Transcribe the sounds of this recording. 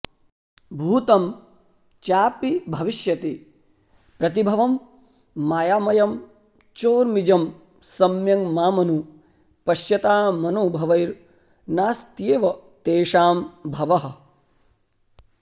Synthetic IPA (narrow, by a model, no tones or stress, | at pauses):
bʱuːt̪ɐm | t͡ʃaːpibʱɐʋiʃjɐt̪i | pɾɐt̪̬ibʱɐʋɐmː | aːjaːmɐjɐm | t͡ʃoːɾmid͡ʒɐm | sɐmjɐŋmaːmɐnu | pɐʃjɐt̪aːmɐnoːbʱɐʋɐjɾ | naːst̪jeːʋɐt̪eːʂaːmbʱɐʋɐɦɐ̆